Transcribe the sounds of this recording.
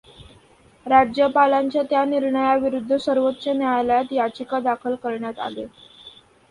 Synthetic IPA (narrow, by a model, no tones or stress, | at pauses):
ɾad͡ʑjəpalaɲt͡ɕjat̪janiɾɳəjaʋiɾud̪ʱːəsəɾʋot̪ːt͡ɕənjajləjat̪jat͡ɕikad̪akʰəlkəɾɳjat̪a̰lḛ